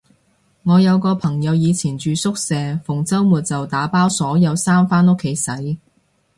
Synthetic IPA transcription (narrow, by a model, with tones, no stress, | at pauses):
ŋɔː˨˧jɐ˨˧wkɔː˧pʰɐ˨˩ŋjɐ˨˧wjiː˨˧t͡sʰiː˨˩nt͡ʃyː˨˧sʊ˥k̚sɛː˨fʊ˨˩ŋt͡sɐ˥wmuː˨t̚t͡sɐ˨wt̪aː˨˥paː˥wsɔː˨˥jɐ˨˧wsaː˥mfaː˥nʊ˥kʰːe˨˥jsɐ˨˥j